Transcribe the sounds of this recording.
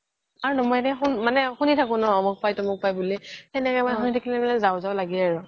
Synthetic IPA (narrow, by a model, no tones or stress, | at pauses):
aɹunɔmɔjatɛxunmanɛxunitʰak̬ʊ̃nɔɔmɔk̚pajtɔmʊk̚pajbulitɛnɛkɛjmanɛxunitʰakilɛmanɛzawʊzaʊlaɡiaɹʊ